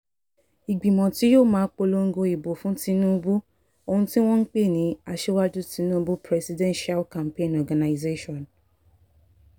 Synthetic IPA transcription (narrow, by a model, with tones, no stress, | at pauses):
i˨ɡ͡bĩ˨mɔ̃˨ti˨˦joː˦˨mãː˨˦k͡po˧lo˧ŋ̩˦ɡo˧i˨bo˨fũ˨˦ti˧˦nũ˦bu˦ | o˧hũ˧tĩ˦w̃ɔ̃˦n̩˦k͡pe˦˨nĩ˨˦a˧ʃe˦wa˦d͡ʒu˦ti˨˧˦nũ˦bu˦pɾɛ˧si˨dɛ̃˦nʃa˦lkã˨m˨pẽ˦˨nɔ˨ɡã˨na˨i˨ze˦ʃɔ̃˨n